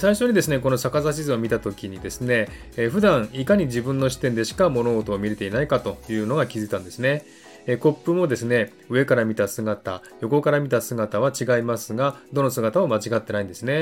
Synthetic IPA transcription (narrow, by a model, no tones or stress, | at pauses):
saiɕo̞ɲ̟id̪e̞sɨnek̬o̞no̞sakazaɕ̬izɨomʲit̪at̪o̞kʲiɲ̟id̪e̞sɨne̞ | ɸɯ̟d̪ãɰ̃ikaɲ̟iʑibɯ̟̃nːo̞ɕi̥t̪end̪e̞ɕi̥kamo̞no̞ot̪oːmʲiɾe̞t̪e̞inaikat̪o̞jɯ̟ːno̞ɡakʲizɨit̪ãnd̪e̞sɨne̞ | ko̞pːɯ̟mo̞d̪e̞sɨne̞ | ɯ̟e̞kaɾamʲit̪asɨɡat̪a | jo̞ko̞kaɾamʲit̪asɨɡat̪aβ̞at͡ɕiɡaimasɨɡad̪o̞no̞sɨɡat̪amomat͡ɕiɡat̪ːe̞naĩnd̪e̞sɨne̞